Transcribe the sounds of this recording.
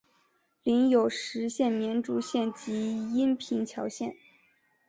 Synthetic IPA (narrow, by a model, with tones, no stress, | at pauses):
li˧˥njo˨˩ʊʂɻ̩˧˥ɕjɛ˥˩nmjɛ˧˥nʈ͡ʂu˥˧ɕjɛ˥˩nt͡ɕi˧˥i˥npʰi˧˥ŋt͡ɕʰjɑ˧˥ʊɕjɛ˥˩n